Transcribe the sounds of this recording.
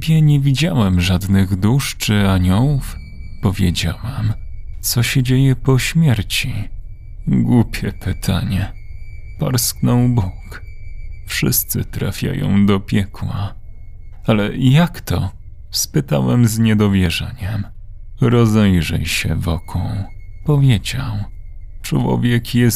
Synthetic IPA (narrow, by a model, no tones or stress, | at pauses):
bʲjɛɲɛvʲid͡ʑawɛmʐad̪nɘɣd̪uʂt͡ʂɘaɲɔwuf | pɔvʲjed͡ʑa̰wamt̪sɔɕɛd͡ʑejɛpɔɕmʲjɛɾt͡ɕi | ɡwupʲjɛpɘt̪ʰa̰ɲɛ | pa̰ɾsknɔw̃buk | fʂɘst̪sɘt̪ɾafʲja̰jɔ̰̃w̃d̪ɔpʲjɛkwa | alɛjakt̪ɔ | spɘt̪awɛmzɲɛd̪ɔvʲjɛʐɛ̰ɲɛm | ɾɔzɛjʐɛjɕɛ̰vɔkʰɔ̃w̃ | pɔvʲjed͡ʑaw | t͡ʂwɔ̰vʲjɛkjɛs